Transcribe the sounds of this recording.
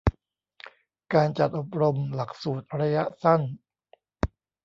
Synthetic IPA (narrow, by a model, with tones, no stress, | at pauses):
kaː˧nt͡ɕa˨˩t̪̚ʔo˨˩p̚ɾo˧mla˨˩k̚suː˨˩t̪̚ɾa˧ja˦˥ʔsa˥˩n